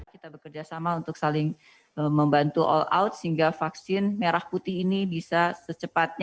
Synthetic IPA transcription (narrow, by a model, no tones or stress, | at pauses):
kit̪abəkərd͡ʒasamaunt̪ʊk̚salɪŋ | məmbant̪uʔɔ̰la̰ut̪̚səɦiŋɡafaksɪnmeɾahput̪ɪhinibisasət͡ʃəpat̪̚ɲ